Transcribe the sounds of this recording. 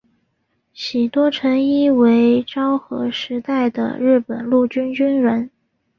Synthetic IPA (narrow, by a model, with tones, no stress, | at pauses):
ɕi˨˩t̪wɔ˥ʈ͡ʂʰə˧˥ŋi˥we˧˥ɪʈ͡ʂɑ˥ʊxɤ̰˧˥ʂɻ̩˧˥t̪a˥˩ɪd̪ə̰˩ɻɻ̩˥˩pə˨˩nlu˥˩t͡ɕy˥nt͡ɕy˥nɻə˧˥n